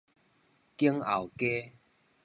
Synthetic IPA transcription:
ki˦əŋa˨˩wke˦

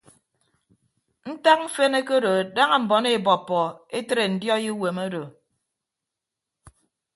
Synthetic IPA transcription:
n̩˦ta˦k̚m̩˦fe˦ne˦ke˦ɾo˨da˦ŋa˦m̩˨bɔ˨ne˦˨bɔ˨pːɔ˨e˦tɾe˨n̩˨djɔ˦ji˦we˨mo˦do˨

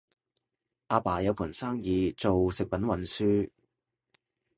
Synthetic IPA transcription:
ʔaː˧paː˨˩jɐ˨˧wpʰuː˨˩nsaː˥ŋjiː˨˧t͡so˨wsɪ˨k̚pɐ˨˥nwɐ˨˧nsyː˥

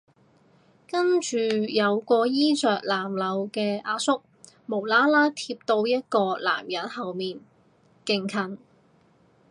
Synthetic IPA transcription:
kɐ˥nt͡ʃyː˨˧jɐ˨˧wkɔː˧jiː˥t͡sœː˨k̚laː˨˩mlɐ˨˧wkɛː˧ʔaː˧sʊ˥k̚ | mo˨˩wlaː˥laː˥t̪ʰiː˧p̚t̪o˧wjɐ˥t̚kɔː˧la̰ː˨˩mjɐ˨˥n̚hɐ˨wmiː˨˩n | kɪ˨˩ŋkʰɐ˨˩n

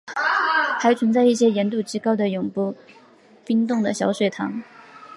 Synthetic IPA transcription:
xa˧˥ɪt͡sʰə˧˥nt͡sa˥˧ɪi˥˩ɕ̬jɛ˥jɛ˧˥nt̪u˥˩t͡ɕi˥kɑ˥ʊd̪ə˨jʊ˨˩ŋpu˥˩ | pi˥nt̪ʊ˥˩ŋd̪ə˩ɕjɑ˧˥ʊʂwe˨˩ɪt̪ʰɑ̰˧˥ŋ

